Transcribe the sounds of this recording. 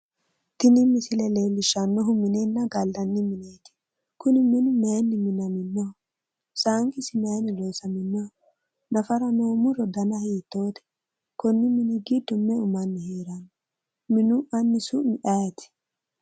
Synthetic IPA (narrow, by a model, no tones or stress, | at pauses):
t̪ɪnɪmɪsɪlɛleːlːɪʃːɐnːɔɦʊmɪnenːɐɡɐlːɐnːɪmɪneːt̪ɪ̥ | kʊnɪmɪnʊmejnːɪmɪnɐmɪnːɔ | saːŋkɪsɪnɐjnɪloːsɐmɪnːɔ | nɐfɐɾɐnoːmʊɾɔd̪ɐnɐhiːt̪ːoːt̪ɛ̥ | kɔnːɪmɪnɪɡid̪ːɔmːɛʊmɐnːɪheːɾɐnɔ | mɪnʊʔɐnːɪsʊnɪʔɐjɐt̪ɪ̥